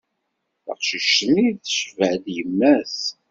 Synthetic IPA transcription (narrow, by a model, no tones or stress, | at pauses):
ə̰qʃiʃəniðʃvəʕd̪jəmːæs